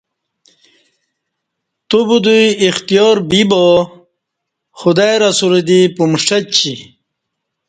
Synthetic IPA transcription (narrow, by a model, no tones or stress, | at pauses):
t̪ubud̪ujixt̪ijɔːɾbibo | xud̪ajɾasuɾed̪ipumʂʈɐt͡ɕi